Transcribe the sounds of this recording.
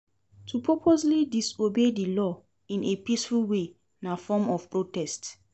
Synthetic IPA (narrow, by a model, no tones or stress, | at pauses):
tʰupʰɔpʰoslidisobedilɔ | ĩnepisfulwe | nafɔmɔfpɹotɛst